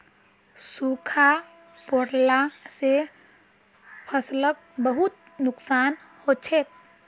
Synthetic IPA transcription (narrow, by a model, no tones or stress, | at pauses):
sukʰa | poɾlase | pʰəslək̚bəɦut̪̚ | nʊksaːn | hot͡ʃʰet̪̚